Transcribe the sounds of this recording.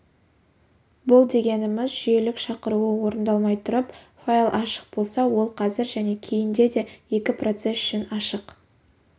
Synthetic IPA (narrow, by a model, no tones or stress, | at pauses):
bʊlˠd̪e̞ɡʲe̞nɪmɪzʒije̞lɪkʃɑqəɾuwəwo̞ɾənd̪ɑlˠmɑjt̪ʰʊɾəp | failˠʔɑʃə̥q̚bo̞lˠsɑwo̞lˠqʰɑzɪɾʒæne̞kʲʰe̞jɪnd̪e̞d̪e̞je̞kʲɪpro̞t̪se̞sʏ̥ʃɪnɑʃəq